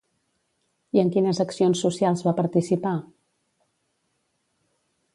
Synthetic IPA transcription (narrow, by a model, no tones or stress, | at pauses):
iəŋkinəzəksionsːusialˠzβapəɾt̪isipa